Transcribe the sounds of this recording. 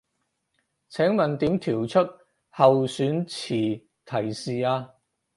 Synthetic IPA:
t͡sʰɛː˨˥ŋmɐ˨nt̪iː˨˥mt̪ʰiː˨˩wt͡sʰɵ˥t̚ | hɐ˨wsyː˨˥nt͡sʰiː˨˩ | t̪ʰɐ˨˩jsiː˨aː˧

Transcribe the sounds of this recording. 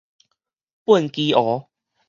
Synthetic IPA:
pu˥˨nki˧ʔɔ˨˦

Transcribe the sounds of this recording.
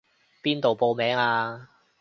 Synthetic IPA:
piː˥nt̪o˨wpo˧wmɛː˨˥ŋaː˧

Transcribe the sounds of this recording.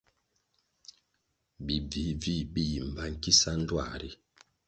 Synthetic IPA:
bi˨b͡vi˨˦vi˦˨bi˦˨i˨m̩˨ba˦ŋ̩˨ki˦sa˦n̩˦dwa̰˦˨ɾi˦

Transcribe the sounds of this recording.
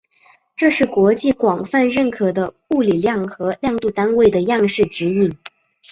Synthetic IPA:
ʈ͡ʂɤ˥˧ʂɻ̩˥˩kwɔ˧˥t͡ɕi˥˩kwɑ˨˩ŋfa˥˧nɻə˥˩nkʰɤ˨˩d̪ə˦ | u˥˩li˨˩ljɑ˥˩ŋxɤ˧˥ljɑ˥˧ŋt̪u˥˩t̪a˥nwe˥˩ɪd̪ə˩jɑ˥˧ŋʂɻ̩˥˩ʈ͡ʂɻ̩˧˥i˥˩ŋ

